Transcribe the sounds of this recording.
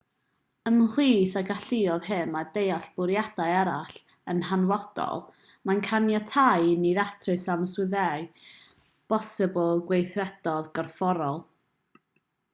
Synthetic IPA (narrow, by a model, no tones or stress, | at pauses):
əmliːθaɡaɬɪɔðɦɪmːadejaɬb̥ʊɾjadajɛɾaɬ | ənɦanwɔd̥ɔ̰lˠmankʰanjatʰajniðatʰrɨsamswɨðɛɨ | b̥ɔsɪblˠɡwejθrɛd̥ɔðɡɔrfɔɾɔlˠ